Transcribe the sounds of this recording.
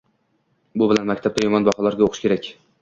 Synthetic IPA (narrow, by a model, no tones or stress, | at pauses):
bʊbɪlanmakʲt̪ʰab̚t̪ʰajɒmɒnbɒhɒlaɾɡʲaoqʰʃkʲe̞ɾakʲ